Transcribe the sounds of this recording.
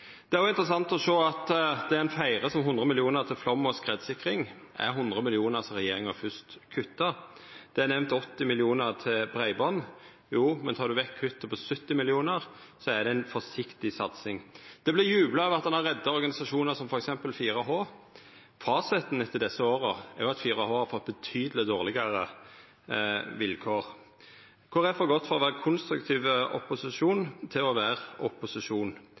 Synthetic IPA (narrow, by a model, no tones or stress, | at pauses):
d̪̥ɛæɾjʊɪnt̪ɾəsɑnt̪ɔʂoːɑt̪d̪ɛæɾɛnfæɪɾəsɔmɦʊnd̪ɾəmɪlɪuːnəɾt̪ʰɪlflɔmːɔskʁeːd̪sɪkːɾɪŋ | ʔæ̰ɾɦʊnd̪ɾəmɪlɪuːnəʁsɾɛjeːɾɪŋəfʏst̪kʰʉt̪ːəd̪̥ɛænɛʋnt̪ɔt̪ːɪmɪlɪuːnəɾt̪ʰɪlbɾæɪbɔnː | juːmɛnt̪ʰɑːɾd̪ʉʋɛkʰːʉt̪ːəpʰɔsœt̪ːɪmɪlɪuːnəɾ | sɔæd̪ɛɛnfɔsɪkt̪ɪsɑt̪sɪŋd̪̥ɛblɪjʉːbləœʋɑt̪d̪ɑnhɑɾʁɛd̪ːɑɔɾɡɑnɪsɑʂuːnəɾsɔmfɔɾɛksɛmpəlfiːɾəɦoː | fɑːsɪt̪n̩ɛt̪ːəd̪ɛsːəoːɾəæɾjʊɑt̪fiːɾəhoːhɑɾfɔt̪̚ːbət̪ʰyːd̪əlɪd̪oːʁlɪɡɑɾə | ʋɪlkʰoːʁ | kʰʊɾæfɔɾɡɔt̪ːfɔɾɔʋæːɾəkʰʊnst̪ɾʉkt̪ʰiːʋəɔ̰pʊsɪʂuːnt̪ʰɪlɔʋæːʁɔpʊsɪʂuːn